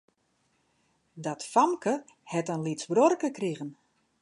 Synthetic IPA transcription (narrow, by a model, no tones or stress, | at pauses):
dɔtfɔmkə | hɛtənlitsbrɔrkəkriɣən